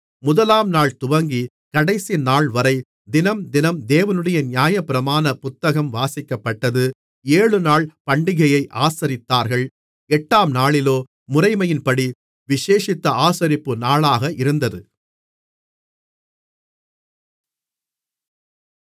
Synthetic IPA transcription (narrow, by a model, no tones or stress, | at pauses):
mʊðɐlaːmnaːɭt̪ʊʋɐŋɡi | kɐɽɐɪsinaːɭʋɐɾɐɪ | d̪ɪnɐmd̪ɪnɐmd̪eːʋɐnɯɽɐjɐnjaːjɐpːɪɾɐmaːnɐpʊt̪ːɐɣɐmʋaːsɪkːɐpːɐʈːɐðɯ | eːɻɯnaːɭpɐɳɖɪɣɐjɐɪʔaːsɐɾɪt̪ːaːɾɣɐɭ | ɛʈːaːmnaːɭɪloː | mʊrɐɪmɐjɪnpɐɽi | ʋɪʂeːʂɪt̪ːɐaːsɐɾɪpːɯnaːɭaːɣɐʔɪɾɯnd̪ɐðɯ